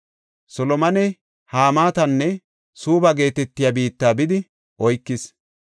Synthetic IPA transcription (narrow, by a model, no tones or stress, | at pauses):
sɔlɔmɐnɛ | haːmaːt̪ɐnːɛ | suːbɐɡe̞ːt̪ɛt̪ːɪjabiːt̪ːaːbɪd̪ɪ | ʔɔjkːɪs